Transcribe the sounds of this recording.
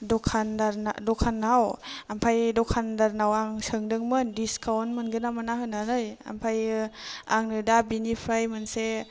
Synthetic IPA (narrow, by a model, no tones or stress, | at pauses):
dɔkʰandaɾnadɔkʰanawampʰajdɔkʰandaɾnawaŋsɯŋdɯŋmɯndiskʰawnmɯnɡɯnamanaɦɯnanɯja̰mpʰaj | aŋnɯdabinipʰɾajmɯnse